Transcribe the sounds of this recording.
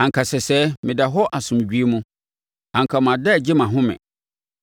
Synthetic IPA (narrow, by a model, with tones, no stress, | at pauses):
ã˨ŋ˨kʰa˨sɛ˨sɛ˦mɪ̃˨da˨ɦɔ˦ʔa˨sʊ̃˨m˨d͡ʑᶣi˦e˦mũ˦ | ã˨ŋ˨kʰa˨m˨ã˨dɛ˦˨d͡ʑɪ˦mã˨ɦʊ̃˦mɪ̰̃˨